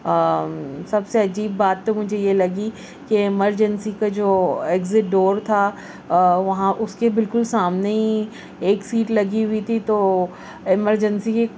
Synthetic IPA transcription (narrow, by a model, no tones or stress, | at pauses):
sɐbseɐd͡ʒiːbːaːt̪̚ːemʊd͡ʒʱejelɐɡi | keɪməɾd͡ʒənsikad͡ʒoːeːɡzɪʈ̚ɖoːɾt̪ʰa | ʋɐɦãʔʊskebɪlkʊlsaːmneĩ | eːksiːʈlɐɡiɦʊit̪ʰit̪oː | ɪməɾd͡ʒənsike